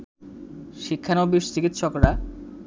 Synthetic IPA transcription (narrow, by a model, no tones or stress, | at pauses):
ʃikʰːanobiʃt͡ɕikit̪ːʃɔkɾa